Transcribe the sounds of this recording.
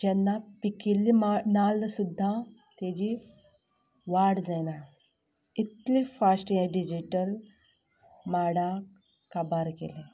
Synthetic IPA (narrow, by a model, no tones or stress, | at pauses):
d͡ʑɛnːapikilːimanalːəsud̪ʱːat̪ed͡ʑi | ʋaɽd͡zajna | it̪lifasʈjẽɖid͡ʑiʈəl | maɽak | kabaɾkḛle